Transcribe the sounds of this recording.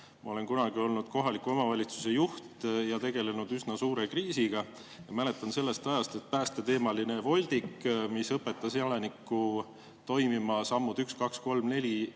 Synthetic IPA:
mɑ̰o̞le̞nkunɑɡ̥io̞lnud̪̥ko̞ɦɑlikːˑuo̞mɑvɑlʲit̪su̥se̞juht̪jɑt̪e̞ɡ̥e̞le̞nud̪̥ysnɑsuːɾe̞kriːsiɡ̥ɑ | jɑmæle̞t̪ːˑɑnse̞lːe̞st̪ɑjɑst̪e̞t̪̚pæːst̪e̞t̪e̞ːmɑlinevo̞lʲd̪̥ikːmisɤpːe̞t̪ːˑɑseɑlenikːˑu | t̪o̞jmimɑsɑmːud̪ykskɑksko̞lmne̞lʲi

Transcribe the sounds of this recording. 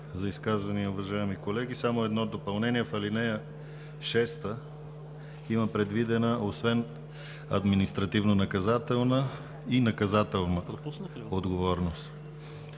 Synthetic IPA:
zɐiskazvɐniəʊvɐʒaɛmikolɛɡ̟isamoɛd̪nɔd̪opɐlˠnɛniɛfɐlinɛjə | ʃɛst̪ə | imɐpɾɛd̪vid̪ɛnəʔosvɛn | ɐ̰d̪minist̪ɾɐt̪ivnonɐkɐzat̪ɛlˠnə | inɐkɐzat̪ɛlˠnəpu | od̪ɡovɔɾnost̪

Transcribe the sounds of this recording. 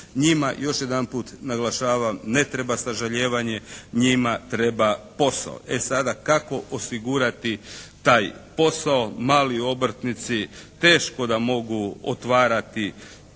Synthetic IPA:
ɲima̰jo̞ʃje̞d̪anpuːt̪naɡlaʃaːʋamne̞t̪ɾe̞basaʒaʎeːʋaɲe̞ɲimat̪ɾe̞bapo̞sa̰o̰esad̪akako̞ʔosiɡuɾat̪it̪aːjpo̞sao̞maːlio̞br̩t̪nit̪sit̪e̞ːʃko̞d̪amo̞ɡuo̰t̪ʋaːɾat̪i

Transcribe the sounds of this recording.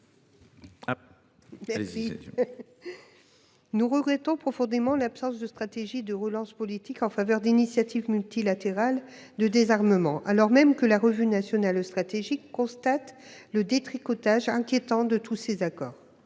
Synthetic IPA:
mɛi | nuʁəɡʁɛt̪ɔ̃pχɔfɔ̃d̪emɑ̃lapsɑ̃sd̪əst̪χat̪eʒid̪əʁəlɑ̃spɔlit̪ikɑ̃favœʁd̪inisjat̪ivmylt̪ilat̪eʁal | d̪əd̪ezaʁməmɑ̃ʔalɔʁmɛmkəlaʁəvynasjɔnalost̪χat̪eʒikːɔ̃st̪at̪ləd̪et̪χikɔt̪aʒɛ̃kʲjet̪ɑ̃d̪ət̪ʰusezakɔːʁ

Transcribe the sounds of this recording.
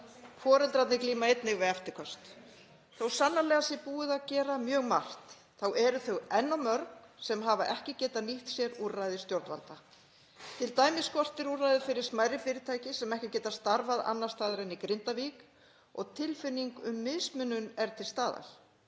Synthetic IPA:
fʰɔːɾɛlt̪ɾat̪nɪkliːmaejt̪nɪɣvɪaft̪ɪ̥kʰɔst̪ | θawsanːalɛɣasjɛɾpuːɪðaðcɛːɾamjœːɣmar̥t̪ | θawʔɛɾʏθœɣɛnːamœɾksɛmɦavaʔɛhcɪcɛːt̪aniht̪sjɛɾurːajðɪst̪jowɾt̪va̰lt̪a | t̪ʰɪlt̪aːjmɪskɔr̥t̪ɪɾurːajðɪfɪɾɪɾ̥smaːjɾɪfɪːɾɪt̪ʰaːjcɪsɛmɛhcɪcɛːt̪ast̪aɾvaða̰nːḁst̪aːðɪɾɛnːikɾɪnt̪aviːk | ɔɣt̪ʰɪlfɪnːiŋkʏmːɪðsmʏnːʏnɛɾ̥t̪ʰɪlst̪aːða̰l̥

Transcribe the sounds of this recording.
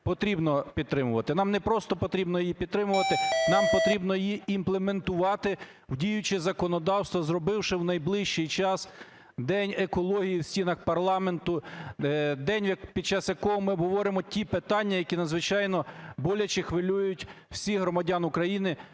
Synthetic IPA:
pɔt̪ɾʲibnɔpʲid̪̚t̪ɾɪmʊʋɐt̪ɪnɑmnɛpɾɔst̪ɔpɔt̪ɾʲibnɔjijipʲid̪̚t̪ɾɪmʊʋɐt̪ɪnɑmpɔt̪ɾʲibnɔjjiimplˠement̪ʊʋɑt̪ɪ | wdʲijʊt͡ʃɪzɐkɔnɔd̪ɑwst̪ʋɔzrɔbɪwʃɪwnɐjblˠɪʃt͡ʃijt͡ʃɑs | d̪ɛnʲekɔlˠɔɦʲijiwsʲtʲinɐxpɐrlˠɑment̪ʊ | d̪ɛnʲjɐpʲid̪̚t͡ʃɑsjɐkɔɦɔmɪɔbɦɔʋɔɾɪmɔtʲipet̪ɑnʲːɐjɐkʲinɐd̪zʋɪt͡ʃɑjnɔbɔlʲɐt͡ʃɪxʋelʲujʊtʲw̥sʲiɦɾɔmɐdʲɑnʊkɾɐjinɪ

